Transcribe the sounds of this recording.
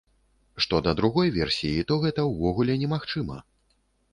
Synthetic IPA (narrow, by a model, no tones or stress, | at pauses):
ʂt̪ɔd̪ɐd̪ɾuɣɔjvʲɛrsʲijit̪ɔɣɛt̪ɐwvɔɣulʲɛnʲɛmaxt͡ʂɨmɐ